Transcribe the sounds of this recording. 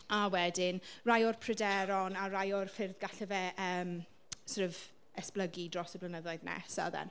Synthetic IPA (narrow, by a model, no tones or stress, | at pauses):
awɛdɪnrajʊrpʰrədɛɾɔnarajɔrfɪrðɡaɬɛvɛʔəːm | srəv | ɛspləɡidrɔsɔblənəðɔɨðnɛ̰sa̰ðɛ̰n